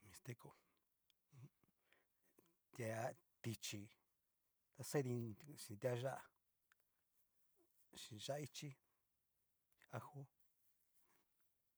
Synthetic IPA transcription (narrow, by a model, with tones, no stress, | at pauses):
mĩ˧st̪e˦˧ko˧ | t̪ʲa˧ | t̪i˧t͡ʃi˧ | t̪a˧se˦nĩ˧ʃĩ˧t̪ʲa˦˧ʒa˦ʔa˧ | ʃĩ˨˧ʒa˦a˧i˦t͡ʃi˦ | a˧hu˦